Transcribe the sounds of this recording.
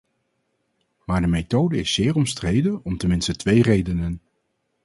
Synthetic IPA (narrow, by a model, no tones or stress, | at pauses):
maːɹdəmejtowdəɪsːɪːɹɔmstrejdəɔmtəmɪnstətʋejrejdənən